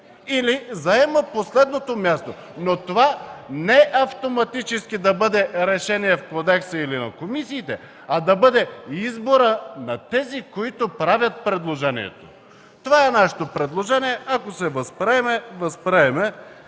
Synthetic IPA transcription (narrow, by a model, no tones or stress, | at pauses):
ilizɐɛməposlɛd̪not̪omʲjast̪o | not̪ovanɛʔɐft̪omɐt̪it͡ʃɛskid̪ɐbɤd̪ɛɾɛʃɛnijɛfkod̪ɛksəilinɐ̰komisiːt̪ɛ | ɐd̪ɐbɤd̪ɛizboɾənɐt̪ɛzikoit̪opɾavʲjət̪̚pɾɛd̪lˠoʒɛnḭɛ̰t̪o̥ | t̪ovaɛnaʃɛ̥t̪opɾɛd̪lˠoʒɛnijɛʔɐkosɛvɐspɾɛmɛvɐspɾɛɛmɛ